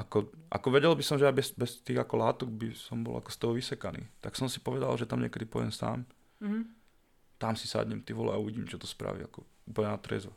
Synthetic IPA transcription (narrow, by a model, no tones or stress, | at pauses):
ʔakɔʔa̰kɔʋɛɟɛlbisɔmʒɛabɛsbɛst̪iːɣakɔlaːt̪ɔɡ̚bisɔmbɔ̰la̰kɔ̥st̪ɔɦɔʋisɛkanḭːt̪aksɔmsi̥pɔʋɛd̪a̰lʒɛt̪amɲɛkɛd̪ipɔɛmsa̰ːm | t̪amsisa̰d̪ɲɛmt̪iʋɔlɛ̰auʋiɟiːmt͡ʃɔt̪ɔspɾa̰ʋḭa̰kɔuːpl̩ɲɛnat̪ɾɛ̰zɔ